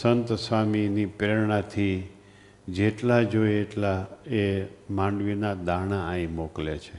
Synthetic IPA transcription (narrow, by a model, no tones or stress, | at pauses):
sənt̪sʋaminipɾeɾɳat̪ʰi | d͡ʒeʈlad͡ʒojeʈlaemãɳɖʋinad̪añaãĩmoklet͡ʃʰe